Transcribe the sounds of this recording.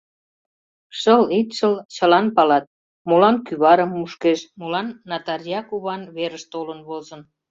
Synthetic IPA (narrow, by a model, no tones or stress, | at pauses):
ʃəlit̪ʃəlt͡ɕəlɑnpɑlɑt̪̚ | molɑnkyβɑɾəmːuʃkeʃmulɑnːɑt̪ɑrjɑkuβɑnβeɾəʃt̪olənβozən